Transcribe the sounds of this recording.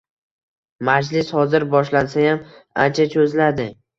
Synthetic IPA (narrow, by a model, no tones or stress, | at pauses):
mad͡ʒlɪshɒzɪɾbɒʃlansajama̰nt͡ʃʰat͡ʃʰɵzlad̪ɪ